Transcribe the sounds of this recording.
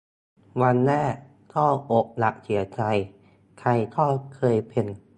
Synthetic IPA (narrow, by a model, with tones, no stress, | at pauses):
wa˧nːɛː˥˩ | t̪ʰɔː˥˩ʔo˨˩k̚la˨˩k̚sʰi˨˩˦ɐt͡ɕa˧j | kʰa˧jt̪ʰɔː˥˩kʰɤː˧jpʰe˧n